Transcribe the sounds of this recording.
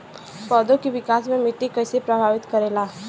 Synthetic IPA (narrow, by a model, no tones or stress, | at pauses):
pəd̪okiʋikasmẽmiʈikəjsepɾəbʱaʋit̪kəɾela